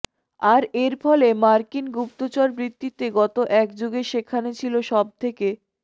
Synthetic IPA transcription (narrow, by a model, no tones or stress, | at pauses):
aɾeɾfɔlemaɾkinɡup̚t̪ot͡ɕaɾbɾit̪ːit̪eɡɔt̪oʔɛkd͡ʑoɡeʃekʰːanet͡ɕʰiloʃɔb̚t̪ʰeke